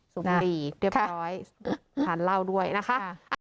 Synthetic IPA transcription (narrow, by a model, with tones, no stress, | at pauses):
su˨˩˦liː˨˩ɾi˥˩ɾɔː˦˥jʰ | a˦˥˩nla˥˩wdu˥˩əjna˦˥kʰa˦˥ʔʔa